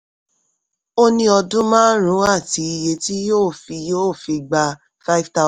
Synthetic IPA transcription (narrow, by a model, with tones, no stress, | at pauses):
o˦nĩ˧ɔ˧dũ˦mãː˦ɾũ˨˦a˦˨ti˨˧˦i˧je˧ti˦joː˦˨fi˧joː˦˨fi˧ɡ͡ba˧ | fa˦i˦fta˦